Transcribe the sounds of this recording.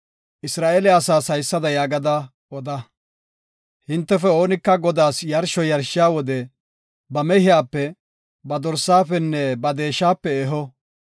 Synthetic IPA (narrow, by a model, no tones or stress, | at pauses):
ʔɪsɾaːʔeːlɪɐsaːsɐjsːɐd̪ɐjaːɡɐd̪ɐ | ʔɔd̪ɐ | hɪnt̪ːɛfɛo̞ːnɪkːɐɡɔd̪aːsjɐɾʃɔjɐɾʃɪjaːwɔd̪ɛ | bɐmɛhɪjaːpːɛ | bɐd̪ɔɾsːaːfɛnːɛbɐd̪e̞ːʃːaːpːɛɛɦɔ